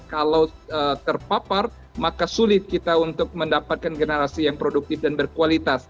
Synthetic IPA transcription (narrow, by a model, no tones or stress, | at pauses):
kalaw | ət̪ərpapar | makasulɪt̪̚kit̪aunt̪ʊk̚məndapat̪̚kanɡənəɾasijaŋpɾoduk̚t̪ɪfdanbərkualit̪as